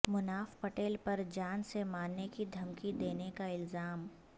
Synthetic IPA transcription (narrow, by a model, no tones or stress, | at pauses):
mʊnaːfpɐʈeːlpɐɾd͡ʒaːnsemaːnːekid̪ʱɐmkid̪eːnekaɪlzaːm